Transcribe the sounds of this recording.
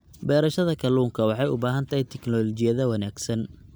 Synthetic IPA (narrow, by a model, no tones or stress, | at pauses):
bɛːɾɐʃɐðɐkʰɐluːŋkʰɐwɑħɑjʊbaːɦɐnt̪ʰɐɦɛjt̪ʰɪknɔlɔt͡ʃɪjɐðɐwɐnaːɡsɐn